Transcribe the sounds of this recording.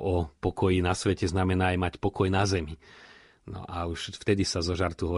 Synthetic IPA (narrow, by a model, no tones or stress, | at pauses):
ɔpɔkɔjinasʋɛcɛznamɛnaːjmacpɔkɔjnazɛmi | nɔ̰ʔauʃft̪ɛd̪isazɔʒaɾt̪uɦɔ